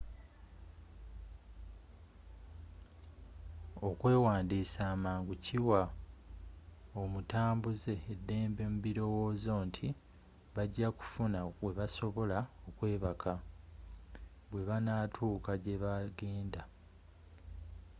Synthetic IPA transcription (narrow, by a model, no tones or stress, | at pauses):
o̞kwe̞ːwaːndiːsaːmaːŋɡucʰiwa | o̞mutaːmbuze̞ːdːe̞ːmbe̞muβiɾo̞wo̞ːzo̞ːntʰi | βaɟːaku̥funaβwe̞βaso̞βo̞lao̞kwe̞ːβakʰa | βwe̞βanatʰuːkaɟe̞βaɡe̞ːnda